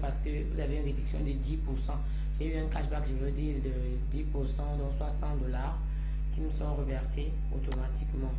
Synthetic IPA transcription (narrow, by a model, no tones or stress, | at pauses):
paʁsə̥kəvuzaveynʁed̪yksjɔ̃d̪əd̪ipuʁsɑ̃ | ʒ̥eyɛ̃kaʃbakʒəvd̪iːʁd̪ə | d̪ipuʁsɑ̃d̪ɔ̃swasɑ̃t̪d̪ɔlaʁ | kʲiməsɔ̃ʁəvɛʁse | o̰t̪omat̪ikmɑ̃